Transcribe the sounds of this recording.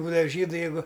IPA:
ˈbuːdɐʋɐ ˈʒʲiːdʊ jɛɪˈɡʊ

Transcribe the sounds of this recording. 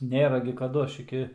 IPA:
ˈnʲeːrɐ ɡʲɪ kɐˈdʊ ˈɐʃ ˈɪkʲɪ

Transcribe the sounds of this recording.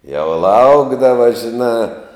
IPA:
jɛʊ ˈlˠɐʊɡdɐʋɐ ʒʲɪˈnɑː

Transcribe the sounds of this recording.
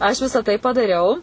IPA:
ɐʃ ˈʋʲɪsɐ tɐɪ pɐdɐˈrʲɛʊ

